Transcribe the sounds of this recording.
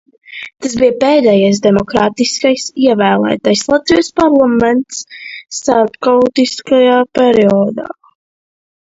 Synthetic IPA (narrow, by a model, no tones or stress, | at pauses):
t̪asbijpeːd̪ɛjajs̬d̪ɛmɔkɾaːt̪iskajsiɛvæːlˠæ̰ːt̪ajslˠat̪vijuspaɾlˠamɛnt̪sːaɾpkawt̪iskajaːpɛɾiɔd̪a̰ː